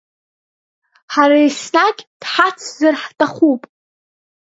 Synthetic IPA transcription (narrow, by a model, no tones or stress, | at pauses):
ħaɾaisnakʲʼd̥ħat͡sʰzɨrħtʼaχupʼ